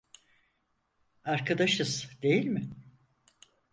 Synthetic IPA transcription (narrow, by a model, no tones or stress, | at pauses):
aɾkʰad̪aʃɯz̥d̪e̞jilʲmɪ